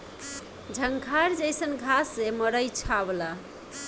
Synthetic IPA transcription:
d͡ʒʱəŋkʰaɾd͡ʒəjsənɡʱasːeməɾəjt͡ʃʰabla

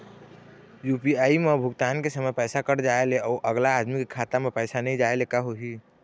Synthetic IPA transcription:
jupiaːimebʱʊɡt̪aːnkesəməjpɛːsakəɾd͡ʒaːeleɔːɾʔəɡlaːd̪mikekʰat̪amepɛːsanəĩd͡ʒaːelekaɦoɦi

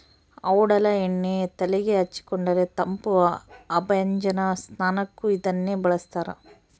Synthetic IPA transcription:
ɐʋɐɽɐlɐeɳːet̪ɐlɛɡeɦɐt͡ʃːi̥kɔɳɖɐɾet̪ɐmpuɐɐbɐjɐɲd͡ʒɐnɐsnaːnɐkːuid̪ɐnːeːbɐɭɐst̪aːɾɐ̰

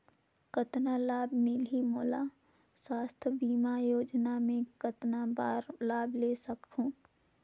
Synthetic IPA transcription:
kət̪nalaːbmɪlɦimoːla | swaːst̪ʰbiːmajoːd͡ʒnamẽkət̪nabaːɾlaːblesəkɦũː

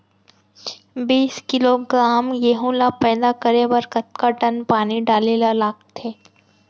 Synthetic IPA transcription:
biːskɪloɡɾaːmjeːɦũlapɛːd̪akəɾebɐɾkɐt̪̚kaʈɐnpaːniɖaːlelalaːkt̪ʰeː

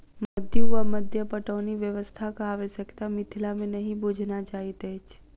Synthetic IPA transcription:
məd̪ʱjəʋaməd̪ʱjəpəʈəniʋjəʋəst̪ʰakəaʋeʃəkt̪amɪt̪ʰilamenəɦĩbʱod͡ʒʱnat͡ʃaɦit̪eet͡ʃʰ

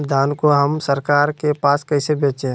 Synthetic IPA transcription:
d̪ʱaːnkoɦəmsəɾkaːɾkepaːskɐisebẽːt͡ʃẽː

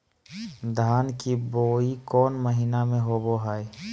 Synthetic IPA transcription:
d̪ʱaːnkiboːikɔːnməɦinamẽɦoboɦae

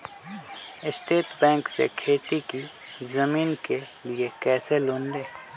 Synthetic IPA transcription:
ɪsʈeːʈbɛ̃ːŋksḛkʰeːt̪iki | zɐmiːnke | liekɛːseloːnd̪eː

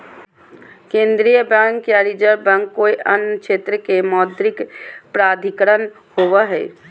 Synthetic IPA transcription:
kẽːnd̪ɾijəbə̃ŋkjaɾid͡ʒəɾbə̃ŋkːoːiʔənkʃeːt̪ɾəkemɔːd̪ɾɪkpɾaːd̪ʱikɾən | hoʋaɦɛ̰ː

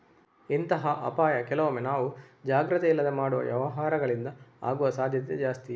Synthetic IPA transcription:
int̪ɐɦɐʔɐ̰paːjɐkɛlɐʋomenaːʋud͡ʒaːɡɾɐt̪eilːɐd̪emaːɽuʋɐ̰ʋjɛ̰ʋɐɦaːɾɐɡɐɭind̪ɐa̰ːɡuʋɐsaːd̪ʱjɐt̪ḛd͡ʒaːst̪i

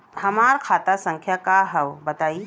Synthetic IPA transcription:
hɐmaːɾkʰaːt̪asə̃ŋkʰjakaɦɐʋbɐt̪aːi

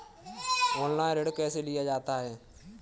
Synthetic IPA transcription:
oːnlaːɪ̃ɾeɽkɛːselɪjad͡ʒaːt̪aɦɛː

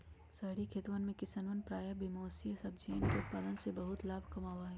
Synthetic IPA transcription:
sɐɦɽikʰeːt̪ʋənmẽkɪsənʋənpɾaːjəbimoːsijəsɐb̚d͡ʒinkeʊt̪̚paːd̪ənsebɐɦʊt̪laːbʱkɐmaːʋaːɦɛː

